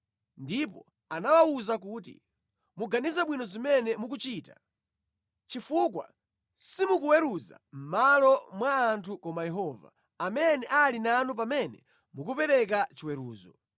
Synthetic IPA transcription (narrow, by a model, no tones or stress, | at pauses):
ndipɔ̰ | anawawuzak̬uːt̬ḭ | muɡanizaɓwinɔzimɛnɛmuk̬ut͡ʃiːta | t͡ʃifukwa̰ | simukuwɛɾuza̰ | m̩malɔmwaːntʰukɔmajɛɦɔva̰ | amɛnɛʔalinanup̬amɛnɛ̰ | muk̬upɛɾɛkat͡ʃiwɛɾuːzɔ